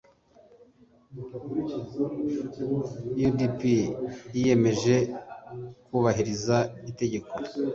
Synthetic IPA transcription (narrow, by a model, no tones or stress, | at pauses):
judipijije̞me̞ʒe̞ | kuːβaɦiɾizaite̞ɟe̞ko